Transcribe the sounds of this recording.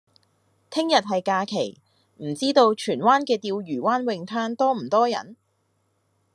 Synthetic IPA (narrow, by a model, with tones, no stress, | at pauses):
t̪ʰɪ˥ŋjɐ˨t̚ɦɐ˨jkaː˧kʰe˨˩j | m̩˨˩t͡siː˥t̪o˧wt͡ʃʰyː˨˩nwaː˥nkɛː˧t̪iː˧wjyː˨˩waː˥nwɪ˧ŋt̪ʰœː˥ŋt̪ɔː˥m̩˨˩t̪ɔː˥jɐ̰˨˩n